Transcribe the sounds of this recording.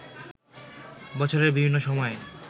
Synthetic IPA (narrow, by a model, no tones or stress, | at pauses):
bɔt͡ɕʰoɾeɾbibʱinːoʃɔmɔe